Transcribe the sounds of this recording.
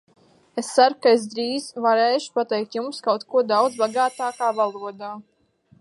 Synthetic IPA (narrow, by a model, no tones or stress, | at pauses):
est̪saɾkaes̬d̪ɾiːzvaɾeːʃu̥pat̪ɛjk̚t̪jumskawt̪kuɔd̪awd̪zbaɡaːt̪aːkaːvalˠuɔd̪aː